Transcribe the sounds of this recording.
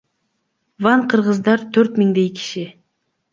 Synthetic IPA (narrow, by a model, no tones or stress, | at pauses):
vɑɴqʰɯɾʁəzd̪ɑɾt̪ʰøɾt̪miŋd̪ejki̥ʃɪ